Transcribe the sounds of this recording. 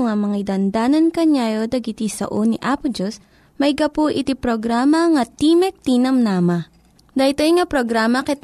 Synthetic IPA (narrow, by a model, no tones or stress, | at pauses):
ʊŋamɐŋid̪ɐnd̪aːnɐnkɐɲaːjod̪ɐɡit̪isɐ̰ʔoniʔaːpʊd͡ʒos | mɐjɡɐpuʔɪt̪ipɾoɡɾaːmɐŋɐt̪imɛk̚t̪inɐmnaːmɐ | d̪ɐit̪ojŋɐpɾoɡɾaːmɐkɛt̪